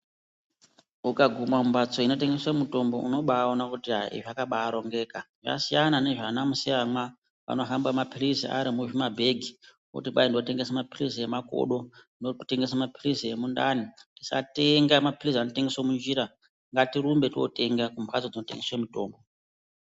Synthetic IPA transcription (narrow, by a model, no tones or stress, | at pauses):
ukaɡʱumaumbat͡so̞ino̞te̞ŋɡe̞swamuto̞mbo̞ṵno̞ɓaonakutiɦaḭʐakaɓaːɾo̞ŋɡe̞ːka | ʐa̰sijanane̞ʐanamusiamwa | ʋa̰no̞ɦambamapirizia̰ɾimuʐimabʱe̞ɡʱi | kṵtiɓaindote̞ŋɡe̞samapirisiemako̰ɗo̞ | note̞ŋɡesamapirisijemundaniti̥sa̰te̞ŋɡamapirisanote̞ŋɡeswomund͡ʒiːɾa | ŋɡatiɾumbe̞tio̰te̞ŋɡakumbat͡sod͡zino̞te̞ŋɡeswemuto̞ːmbo̞